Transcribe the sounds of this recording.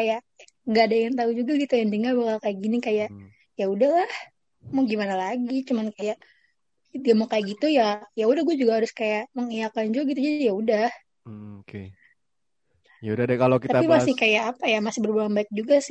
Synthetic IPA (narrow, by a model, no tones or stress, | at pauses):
kajaʔ | ɡadajaŋt̪aud͡ʒuɡaɡit̪ujaŋdəŋarbakalkajaʔɡinikajaʔ | jaudahlah | moɡimanalaɡit͡ʃumankajaʔ | diamokajakɡit̪ujajaudahɡuad͡ʒuɡaɦaɾʊskajaʔməŋijakand͡ʒuɡit̪ud͡ʒaijaudah | okḛ | jaudadakalokit̪at̪apimmasɪhkajaːpajamasɪhbərbulaŋbaɪk̚d͡ʒuɡasɪ